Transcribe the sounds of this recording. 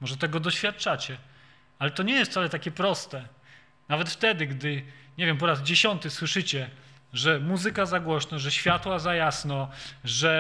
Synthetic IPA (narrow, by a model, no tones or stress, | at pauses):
mɔʐɛt̪ɛɡɔd̪ɔɕfʲjat̪̚t͡ʂat͡ɕɛ | alɛt̪ɔɲɛjɛst̪salɛt̪akʲɛpɾɔst̪ɛ | navɛt̪ft̪ɛd̪ɘɡd̪ɘɲevʲjɛmp̬ɔɾazd͡ʑeɕɔnt̪ɘswɘʂɘt͡ɕɛ | ʐɛmuzɘkazaɡwɔɕnɔʐɛɕfʲjat̪wazajasnɔʐɛ